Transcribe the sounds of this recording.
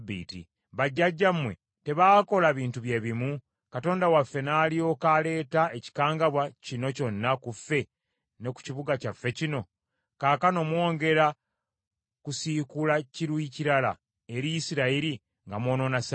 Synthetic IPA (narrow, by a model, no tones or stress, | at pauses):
bːḭːtḭ | βaɟːaɟːammwe̞̰ | te̞βaːko̞laβiːntuβje̞ːβimu | kato̞ːndawafːe̞naːlio̞kale̞ːtae̞ci̥kaːŋɡaβwacino̞co̞nːakufːe̞ | ne̞ku̥ciβuɡacafːe̞cino̞ | kaːkano̞mwo̞ːŋɡe̞ɾa | kusikulaciɾwuiciɾala̰ | eɾijisiɾaiɾi | ŋɡamwo̞ːno̞nas